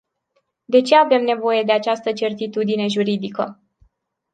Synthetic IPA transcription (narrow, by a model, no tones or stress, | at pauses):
d̪e̞t͡ʃe̞ave̞mne̞vo̞je̞d̪e̞at͡ʃast̪ət͡ʃe̞rt̪it̪ud̪ine̞ʒuɾid̪ikə